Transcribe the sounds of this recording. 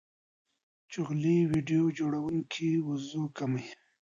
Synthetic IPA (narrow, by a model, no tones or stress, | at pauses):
t͡ʃʊɣliwiɖijod͡ʒoɽawuŋkʰiwʊzukamaj